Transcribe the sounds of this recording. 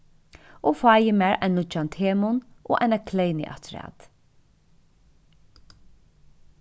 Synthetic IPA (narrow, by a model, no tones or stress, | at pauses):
ɔːfaːjɪmɛːɹa̰jnlʊt͡ʃant̪heːmʊnʔɔ̰ːʔa̰jnakʰlɛjnɪ̰ʔa̰t̪ʰɾa̰ːt̪